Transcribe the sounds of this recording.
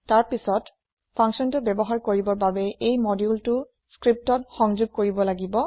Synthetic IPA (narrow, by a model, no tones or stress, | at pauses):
taɹpisɔt | pʰaŋksɔntʊbɛbɔɦaɹkoɹibɔɹbabɛejmɔdjultʊ | skɹip̚tɔtxɔŋzuɡ̚koɹibɔlaɡibɔ